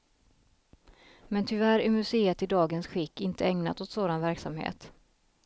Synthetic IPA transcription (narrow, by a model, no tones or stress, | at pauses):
mɛnt̪ʰʏvæɾɪmɵseːət̪ɪd̪ɑːɡənsɧɪkːɪnt̪ʰəɛŋna̰t̪ot̪soːd̪anvæɾksamhḛːt̪